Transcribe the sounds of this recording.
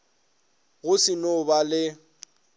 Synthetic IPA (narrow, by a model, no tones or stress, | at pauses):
ɣʊsɪnʊbalɪ